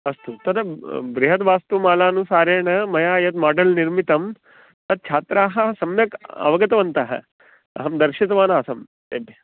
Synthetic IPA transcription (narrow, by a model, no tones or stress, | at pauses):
ɐst̪ut̪ɐd̪ɐbɾiɦɐt̪ʋaːst̪umaːlaːnusaːɾeːɳɐmɐjaːjɐt̪̚maːɖɐlniɾmit̪ɐm | t̪ɐd̪̚t͡ʃʰaːt̪ɾaːɦɐ̆sɐmjɐkɐ̰ʋɐɡɐt̪ɐʋɐnt̪ɐɦɐ̰ | ɐ̰ɦɐmd̪ɐɾʃit̪ɐʋaːnɐɐsɐm | t̪eːbʱjɐ